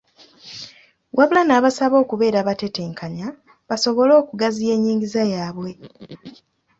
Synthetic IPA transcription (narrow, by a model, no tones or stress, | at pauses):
wʔaβulanaːβasaβo̞ːkuβe̞ːɾaβate̞te̞ːŋkaɲa | βaso̞βo̞lo̞ːkuɡazije̞ːɲːiːŋɡizajaːβwe̞